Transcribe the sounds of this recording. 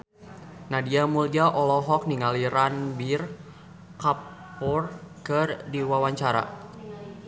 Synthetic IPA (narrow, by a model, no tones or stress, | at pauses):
nahdiamuliaʔɔlɔɦɔk̚niŋaliɾanbir | kapɔrkɨrdiwawaɲt͡ʃaɾa̰